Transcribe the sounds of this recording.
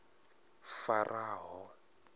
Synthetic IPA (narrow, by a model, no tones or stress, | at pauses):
farʔaːɦɔ